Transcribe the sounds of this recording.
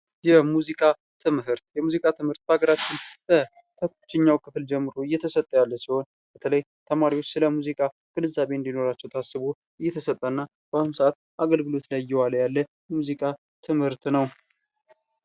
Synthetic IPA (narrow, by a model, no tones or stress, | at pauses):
jɛmuzikʼa | t̪ʰɨmhɨɾt̪jɛmuzikʼat̪ʰɨmhɨɾt̪̚bəaɡəɾat͡ʃːɪnb̥ə | t̪ʰət̪t͡ʃːɪɲːawkʰɨfɨld͡ʒɛmːɨɾoɨjːɛt̪ʰəsət̪ʼːəjalːəsiho̞n | b̥ət̪ʰələj | t̪ʰəmaɾiwot͡ʃːsɨləmuzikʼa | kʰɨlɨzaβeɨnd̪ino̞ɾat͡ʃːɛwt̪ʰasːɨβu | ʔɨjːɛt̪ʰəsət̪ʼːəɨnːa | b̥əahumsəʔat̪̚ | ʔaɡəlɡɨlo̞t̪lajjːɛwaljalːə | ɛmuzikʼa | t̪ʰɨmhɨɾt̪nəw